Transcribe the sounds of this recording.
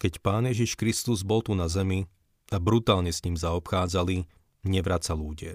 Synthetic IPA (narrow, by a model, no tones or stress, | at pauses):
kɛcpaːnjɛʒiʃkɾist̪uzbɔlt̪unazɛmi | abɾut̪aːlɲɛsɲiːmzaɔpxaːd͡zali | ɲɛʋɾat͡saluːɟɪɛ̰